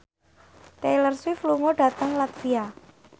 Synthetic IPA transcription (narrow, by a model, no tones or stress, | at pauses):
t̪elərswifluŋoɖ̥a̤t̪əŋlat̪fia